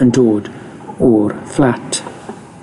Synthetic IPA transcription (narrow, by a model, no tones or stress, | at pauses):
əndoːd | ɔrflatʰ